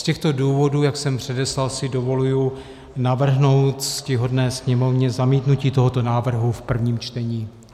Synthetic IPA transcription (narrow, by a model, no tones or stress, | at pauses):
scɛxt̪o̞duːvo̞duːjaksɛmpr̝̥ɛdɛslalsɪdo̞vo̞luju | navr̩ɦno̞wt̪scɪɦo̞dnɛːsɲɛmo̞vɲɛzamiːt̪nuciːt̪o̞ɦo̞t̪o̞naːvr̩ɦufpr̩vɲiːmt͡ʃt̪ɛɲiː